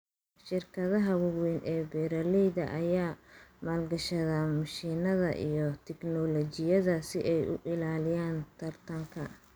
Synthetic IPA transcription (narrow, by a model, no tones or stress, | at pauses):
ʃɪrkʰɐðɐɦɐwʊɣwɛnʔɛːbɛːɾɐlɛjðɐʔɐjaːmaːlɡɐʃɐðamɐʃiːnɐðɐ̰ʔḭjɞt̪ʰɛɡnɔlɔt͡ʃɪjɐðɐsɪʔɛjʊ̰ʔɪlaːlɪjaːnt̪ʰɐrt̪ʰɐŋkʰɐ